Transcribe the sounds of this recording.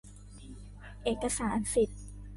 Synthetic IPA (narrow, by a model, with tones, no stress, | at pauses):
ʔeː˨˩t̚kːa˧saː˩˦nsi˨˩t̪̚